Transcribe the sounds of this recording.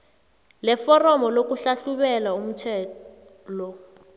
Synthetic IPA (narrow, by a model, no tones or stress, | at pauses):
lɛfɔrɔmɔlok̬uɬaɬuɓɛlaum̩tʰɛː | lɔ